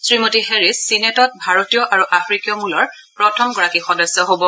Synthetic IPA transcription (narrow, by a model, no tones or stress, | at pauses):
sɹimotiɦeɹisːinetɔt̚bʱaɹotijɔʔaɹuʔafʰɹikijɔmulɔɹ | pɹɔtʰɔmɡɔɹakixɔdɔsːɔɦobɔ